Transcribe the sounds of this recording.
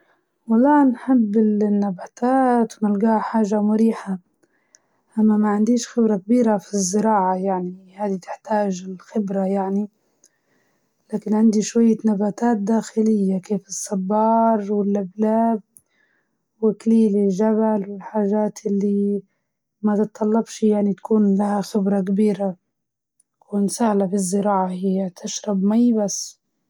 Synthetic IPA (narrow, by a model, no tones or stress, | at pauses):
wɑlˤːɑːnħɪbːɪlnːabaːt̪ʰaːt̪wnɪlɡaːħaːʒamʊɾiːħa | ʔamːamaʕɪnd̪iːʃxɪbɾakabiːɾafizːɪɾɑːʕajaʕnihaːd̪it̪ɪ̥ħt̪aːʒɪlxɪbɾajaʕni | laːkɪnʕɪnd̪iʃwajːanabaːt̪aːt̪̚d̪aːxɪlɪjːakeːfɨsˤːɑbːɑːɾˤwɪlʔablaːb̚ | wɪkliːlɪlʒabalwɪlħaːʒaːt̪ʔɪlːi | mat̪ɨt̪ˤːɑlːɑbʃjaʕnit̪ḁkuːnlahaxɪbɾˤɑk̬abiːɾa | kʰuːnsahlabizːɪɾɑːʕahɪjːat̪ʰɪʃɾˤɑbmajbasː